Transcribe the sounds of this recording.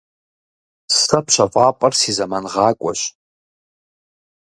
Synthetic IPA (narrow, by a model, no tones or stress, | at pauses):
sɐpʰɕʷʰɐfʼaːpʼɐrsizɐmanʁɑːkʷʼɔɕ